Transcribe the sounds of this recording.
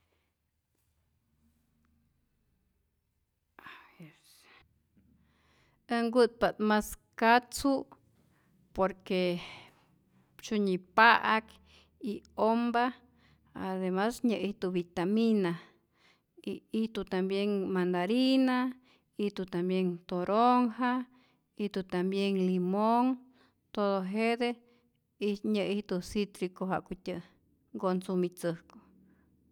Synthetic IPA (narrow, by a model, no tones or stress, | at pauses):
aes | əŋɡut̪̚pat̪maskat͡su | poɾke | t͡ʃuɲipaʔak | iomba | aðemasɲəʔit̪uβit̪amina | iiht̪ut̪ambjeŋmand̪aɾina | iht̪ut̪ambjent̪oɾʔoŋɦa | iht̪ut̪ambjeŋlimoŋ | t̪oðoɦed̪e | iɲəʔiht̪usit̪ɾikoɦaʔkutʲɨ | ɡonsumit͡sɨhko̥